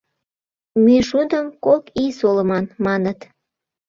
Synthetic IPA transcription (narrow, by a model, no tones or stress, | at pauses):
myʃud̪əmkokisoləmɑnmɑnət̪